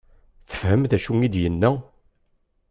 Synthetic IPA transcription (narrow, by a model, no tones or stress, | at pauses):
θə̥fhəmθæʃuŋid̪jənːæ